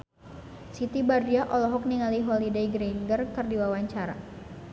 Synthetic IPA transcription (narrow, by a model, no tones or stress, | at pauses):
sit̪ibardiaʔɔlɔɦɔk̚niŋaliɦolidejɡɾiŋɡərkərdiwawaɲt͡ʃaɾa̰